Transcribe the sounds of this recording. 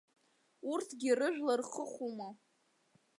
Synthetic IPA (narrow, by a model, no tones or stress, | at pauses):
urtʰɡʲirɨʒᶣlarχəχʷuma